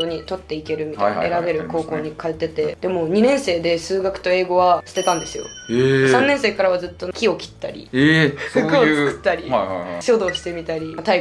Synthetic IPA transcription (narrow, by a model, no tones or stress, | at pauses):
oɲ̟it̪o̞t̪ːe̞ike̞ɾɯ̟mʲit̪ajaeɾaɡe̞ɾɯ̟ko̞ːko̞ːɲ̟ikaet̪e̞t̪e̞d̪e̞mo̞ːɲ̟inẽ̞ɰ̃se̞ːd̪e̞sɨːɡakɯ̟t̪o̞e̞ːɡo̞βast̪e̞t̪ãnd̪e̞sɨjo̞̰ | sãnːẽ̞ɰ̃se̞ːkaɾaβad͡zzɨt̪ːo̞kʲio̞kʲi̥t̪ːa̰ɾʲḭsokoɨkɯ̥t̪ːaɾʲijaɕo̞ːd̪o̞ːɕi̥t̪e̞mʲit̪aɾʲit̪ai